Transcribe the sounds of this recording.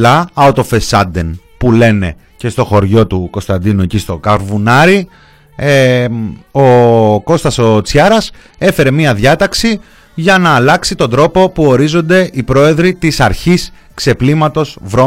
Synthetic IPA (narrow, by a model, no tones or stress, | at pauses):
ɐɐot̪o̞fe̞sɐd̪en | pule̞ne̞ | ce̞st̪oxo̞ɾʝo̞t̪uko̞st̪ɐnd̪inue̞cist̪o̞kɐɾvunɐɾi | o̞ko̞st̪ɐso̞t͡sçɐɾɐse̞fe̞ɾe̞miɐðjɐt̪ɐksi | ʝɐnɐːlɐksit̪o̞nd̪ɾo̞po̞puo̞ɾizo̞nd̪e̞ʔipɾo̞e̞ðɾit̪isɐɾçis | kse̞plimɐt̪o̞zvɾo